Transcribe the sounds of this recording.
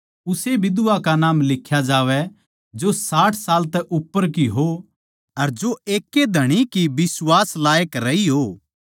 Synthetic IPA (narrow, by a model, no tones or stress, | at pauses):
ʊsebɪd̪ʊakanaːmlɪkʰjad͡ʒaːʋɛ | d͡ʒosaːʈʰsaːlt̪ɛʔʊpːəɾkiɦo | ɐɾd͡ʒoeːkːed̪ʱɐɽ̃ikibɪswaːslaːjəkɾɐiɦoː